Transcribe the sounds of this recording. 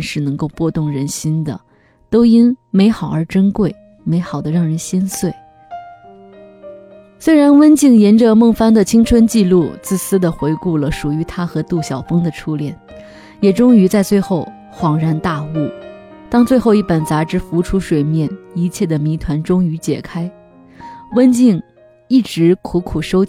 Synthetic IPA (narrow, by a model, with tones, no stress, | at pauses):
nʂɻ̩˥˩nɤ˧˥ŋko˥˧ʊpwɔ˥˧t̪ʊ˥˩ŋɻə˧˥nɕi˥nd̪ə̰˨ | t̪o˥ʊi˥nme˧˥ɪxɑ˨˩ʊə˞˧˥ʈ͡ʂə˥nkwe˥˩ɪ | me˧˥ɪxɑ˨˩ʊd̪ə˦ɻɑ˥˩ŋɻə˧˥nɕi˥nswe˥˩ɪ | swe˥ɪɻa˧˥nwə˥nt͡ɕi˥˩ŋjɛ˧˥nʈ͡ʂə˧mɤ˥˩ŋfa˥ŋd̪ə˨t͡ɕʰi˥ŋʈ͡ʂʰwə˥nt͡ɕi˥˧lu˥˧t͡sɹ̩˥˩sɹ̩˥d̪ə˨xwe˧˥ɪku˥˩lə˩ʂu˨˩y˧˥t̪ʰa˥xɤ˧˥t̪u˥˩ɕjɑ˨˩ʊfɤ˥ŋd̪ə˨ʈ͡ʂʰu˥ljɛ˨˩˦n | jɛ˨˩ʈ͡ʂʊ˥ŋy˧˥t͡sa˥˧ɪt͡swe˥˧ɪxo˥˩ʊ | xwɑ˨˩ŋɻa˥˧nt̪a˥˧u˥˩ | t̪ɑ˥ŋt͡swe˥˧ɪxo˥˧ʊi˥˩pə˨˩nt͡sa˧˥ʈ͡ʂɻ̩˧˥fu˧˥ʈ͡ʂʰu˥ʂwe˨˩ɪmjɛ˥˩ni˧˥t͡ɕʰjɛ˥˩d̪ə˩mi˧˥t̪ʰwa˧˥nʈ͡ʂʊ˥ŋy˧˥t͡ɕjɛ̰˨˩kʰa˥ɪ | wə˥nt͡ɕi˥˧ŋ | i˥˩ʈ͡ʂɻ̩˧˥kʰu˧˥kʰu˨˩ʂo˥ʊ